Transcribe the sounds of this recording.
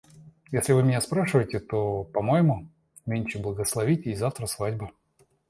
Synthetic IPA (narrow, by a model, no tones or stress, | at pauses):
jesʲlʲɪvɨmʲɪnʲaspɾaʂɨvəjɪtʲɪt̪opɐmojɪmʊ | mʲenʲt͡ɕɪblˠəɡəslˠɐvʲitʲizaft̪ɾəsvadʲbə